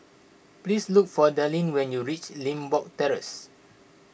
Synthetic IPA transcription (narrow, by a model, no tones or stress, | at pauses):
plisluk̚fɔdalĩnwɛ̃njuɹit͡ʃlĩmbɔk̚tɛɹə̰s